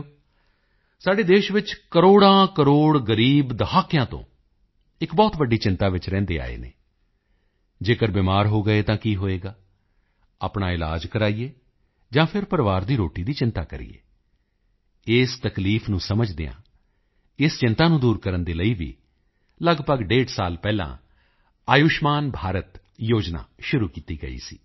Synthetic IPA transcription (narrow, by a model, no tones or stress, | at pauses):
saːɖeːd̪eːʃʋɪt͡ʃkəɾoːɽãːkəɾoːɽɡəɾiːbd̪əɦaːkɪjãːt̪õ̰ː | ɪkbɔːt̪ʋəɖːiːt͡ʃɪ̃nt̪aːʋɪt͡ʃɾɛ̃ːnd̪ḛːa̰ːḛːnḛː | d͡ʒeːkəɾbɪːmaːɾɦoːɡəeːt̪ãːkiːɦoːeːɡaː | a̰ːpɳaːɪla̰ːd͡ʒkəɾaːieː | d͡ʒãːpʰɪɾpəɾʋaːɾd̪iːɾoːʈiːd̪iːt͡ʃɪnt̪aːkəɾḭjḛː | ɪst̪əkliːfʰnũːsəməd͡ʒd̪eːã̰ː | ɪst͡ʃɪnt̪aːnũːd̪uːɾkəɾənd̪eːləiːʋḭː | ləɡpəɡɖeːʈsaːlpɛːlã̰ː | aːjʊʃmaːnbʱaːɾət̪ | joːd͡ʒna̰ːʃʊɾuːkiːt̪iːɡə̰ḭːsḭː